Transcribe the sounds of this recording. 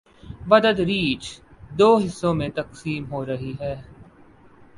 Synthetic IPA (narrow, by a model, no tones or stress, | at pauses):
ʋɐd̪əd̪ɾiːt͡ʃd̪oːɦɪsːõmẽt̪ɐqsiːmɦoːɾɐɦiɦɛː